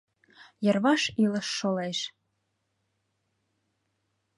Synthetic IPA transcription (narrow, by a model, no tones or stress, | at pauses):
jɤ̆rβɑʃilɤ̆ʃːoleʃ